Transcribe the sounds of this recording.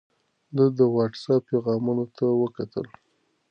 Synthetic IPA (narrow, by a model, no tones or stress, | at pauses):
d̪əd̪əwɑʈsap̚pːeɣɑmunot̪awəkat̪ə̰l